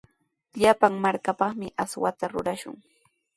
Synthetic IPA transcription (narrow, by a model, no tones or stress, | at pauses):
ʎapaŋmaɾkapɑχmɪʔaswat̪aɾʊɾaʃʊ̰ŋ